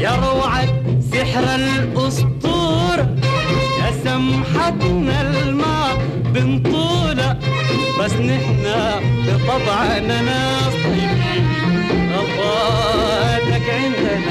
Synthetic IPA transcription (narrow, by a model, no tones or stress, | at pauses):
jɑɾˤːʕatsɪħɾal | ʔʊst̪ˤuːɾ | ʔasamħat̪nal | maː | bɪnt̪ˤuːla | basnɪħna | bɪt̪ˤɑbʕɑnanaː | s | i | ɣɑfaː | ʔat̪akʕɪnd̪aa